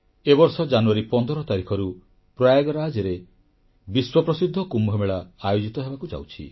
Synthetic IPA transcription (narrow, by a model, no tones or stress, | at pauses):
ebɔɾsɔd͡ʒanuaɾipɔnd̪ʱɔɾɔt̪aɾikʰɔɾu | pɾajaɡɔɾad͡ʒeɾe | biswɔpɾɔsid̪ʱːɔkumbʱɔmeɭaːjod͡ʒit̪ɔɦebakud͡ʒa̰wt͡ʃʰḭ